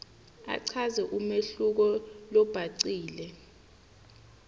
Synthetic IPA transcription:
a̰ǀʰazɛʔumeɬuk̬ɔlɔb̥ʱaǀiːlɛ

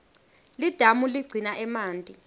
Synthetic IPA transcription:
lid̥ʱamuliɡ͡ǀʱinaʔɛmaːntʼi

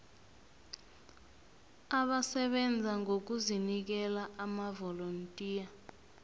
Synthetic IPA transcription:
aɓasɛɓɛnd͡zʱaŋok̬uzinik̬ɛlaamavɔlontʼiːja

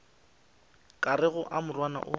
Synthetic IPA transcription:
kʼarɪɣʊʔamʊrwana̰ʔʊ

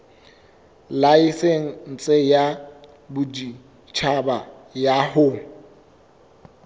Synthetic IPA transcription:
laiseŋ̩n̩t͡sʼeja | bʊdi | t͡ʃʰabajahʊ

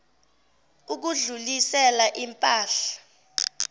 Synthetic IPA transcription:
uk̬uɮulisɛlaʔimpʼaːɬḁ

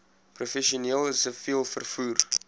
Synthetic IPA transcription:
profɛʃioniəlˠəsəfiəlˠfərfuːr

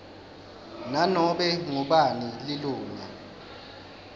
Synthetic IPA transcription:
nanɔɓɛŋuɓanililuːŋa

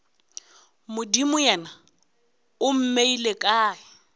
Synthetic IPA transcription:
mʊdimʊjɛna | ʊm̩meilekʼaːɪ

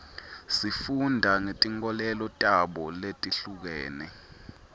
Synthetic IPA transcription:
sifundʱaŋetʼiŋɔlɛlɔtʼaɓɔletʼiɬuk̬ɛːnɛ̰

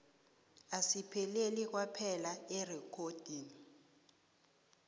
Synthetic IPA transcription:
asipʰɛlelik̬wapʰɛlaɛrɛkʰod̥ʱiːni

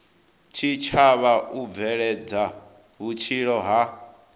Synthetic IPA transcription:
t͡ʃʰit͡ʃʰaβaub̪vɛɺɛd͡za | ɦut͡ʃʰiɺɔɦa

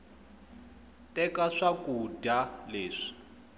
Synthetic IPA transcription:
tʼɛkʼaʂakʼudaleːʂi̥

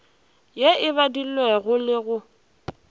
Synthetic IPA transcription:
jeɪβadil̩wɛɣʊlɪɣʊ

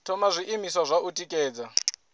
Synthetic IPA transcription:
tʰɔmazʷiʔimiswazʷautʼikʼɛːd͡za

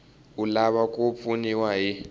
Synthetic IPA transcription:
ulaβakʼup̪funiwaɦi

